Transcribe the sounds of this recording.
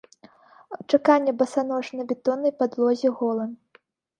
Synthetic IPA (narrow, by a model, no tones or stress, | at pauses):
t͡ʂakanʲːɛbɐsanɔʂnɐbʲɛt̪ɔnːɐjpad̪lˠɔzʲiɣɔlˠɐn